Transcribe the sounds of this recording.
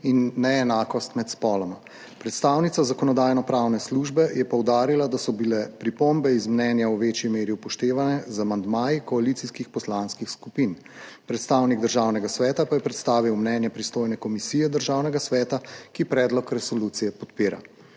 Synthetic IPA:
inːɛɛnaːkɔst̪mɛt̪spɔːlɔma | pɾɛt̪st̪awnit̪sazakɔnɔd̪aːjnɔpɾaːwnɛsluʒbɛjɛpɔwd̪aːɾilad̪asɔbilɛpɾipombɛizmnɛːnjawʋet͡ʃjimeːɾjiupɔʃt̪eːʋanɛzamand̪maːjikɔalit̪iskixpɔslaːnskixskupin | pɾɛt̪st̪awniɡd̪əɾʒaːwnɛɡasʋɛːt̪apajɛpɾɛt̪st̪aːʋiwmnɛːnjɛpɾist̪oːjnɛkɔmisijɛd̪əɾʒaːwnɛɡasʋɛːt̪akipɾɛːd̪lɔkɾɛsɔlut̪sijɛpɔt̪piːɾa̰

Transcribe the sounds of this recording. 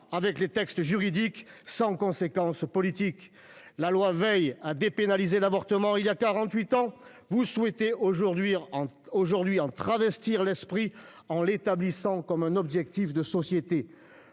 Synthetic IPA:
avɛklet̪ɛkst̪əʒyʁid̪iksɑ̃kɔ̃sekɑ̃spɔlit̪ik | lalwavɛjad̪epenalizelavɔʁt̪əmɑ̃iljakaʁɑ̃t̪ɥit̪ɑ̃ | vuswet̪eoʒuʁd̪ɥiɑ̃ | oʒuʁd̪ɥiɑ̃t̪χavɛst̪iʁlɛspχi | ɑ̃let̪ablisɑ̃kɔmɛ̃nɔbʒɛkt̪ifd̪əsɔsjet̪e

